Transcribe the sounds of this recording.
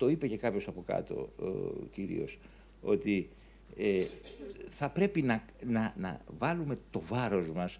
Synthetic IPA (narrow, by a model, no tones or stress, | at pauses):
t̪o̞ipe̞ce̞kɐpço̞sɐpo̞kɐ̰t̪o̞̰ciɾḭo̞̰s | o̞t̪i | e | θɐpɾe̞pinɐ | nɐnɐ̰vɐlume̞t̪o̞vɐɾo̞zmɐs